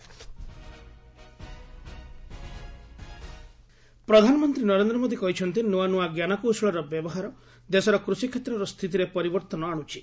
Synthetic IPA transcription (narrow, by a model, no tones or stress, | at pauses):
pɾɔd̪ʱanɔmɔnt̪ɾinɔɾend̪ɾɔmod̪ikɔɦit͡ʃʰɔnt̪inuanuaɡjanakowsɔɭɔɾɔbjɔbɔɦaɾɔ | d̪esɔɾɔkɾusikʰet̪ɾɔɾɔst̪ʰit̪̬iɾepɔɾibɔɾt̪ɔnɔaɽ̃ut͡ʃʰi